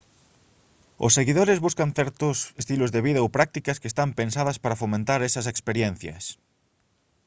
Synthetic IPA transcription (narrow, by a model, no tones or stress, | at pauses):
ʊ̰sːeɣiðoɾɪzβuskɐnθɛɾt̪ʊsest̪ilʊzðeβiðɐowpɾak̚t̪ikɐskest̪ampensað̞ɐspaɾɐfomẽnt̪aɾɛsɐs̬ekspeɾjen̟θjɐ̰s